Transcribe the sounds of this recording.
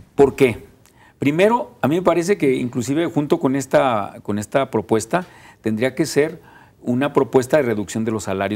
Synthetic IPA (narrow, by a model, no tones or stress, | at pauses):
po̞ɾke̞ | pɾime̞ɾo̞amĩme̞paɾe̞s̬e̞ke̞ḭŋklusiβe̞xunt̪o̞ko̞ne̞st̪ako̞ne̞st̪apɾo̞pwe̞st̪a | t̪e̞nd̪ɾiake̞se̞ɾ | unapɾo̞pwe̞s̬t̪aðe̞re̞ðuksjo̞nd̪e̞lo̞sːalaɾjo